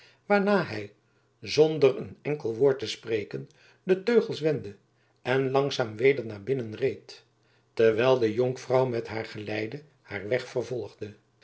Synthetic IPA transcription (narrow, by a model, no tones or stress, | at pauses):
ʋaːɹnaːɦɛj | zɔndərənɛŋkəlˠʋʊːɹtəsprejkən | dətøɥχəlˠsʋɛndə | ɛnlɑŋsaːmʋejdəɹnaːɹbɪnənrejtː | əɹʋɛlˠdəjoŋkfrɑwmɛtɦaːɹχəlɛjdə | haːɹʋɛχfərvɔlˠχdə